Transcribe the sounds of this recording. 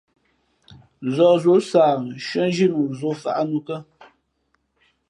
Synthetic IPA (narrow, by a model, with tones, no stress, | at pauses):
zɔ˨zo˨˦saː˨ʃɥɛ˦n˦ʒi˦˨nu˨zo˨fa̰˨ʔa˦nu˦kə˦